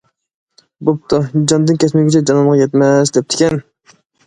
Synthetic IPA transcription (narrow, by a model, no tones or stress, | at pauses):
bup̚t̪ʰʊd͡ʒɑnd̪ɨnkʲʰɛsmɪɡʲit͡ʃʰɛd͡ʒɑnɑmʁɑjɛt̪mɛsd̪ɛp̚t̪ʰɪ̥kʲɛn